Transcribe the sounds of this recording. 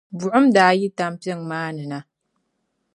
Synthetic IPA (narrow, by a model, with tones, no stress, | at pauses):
bu˨ʔʊ˦mdaː˨˦ji˦ta˦mpjɛ˦˨ŋmaː˦nɨ˨na˦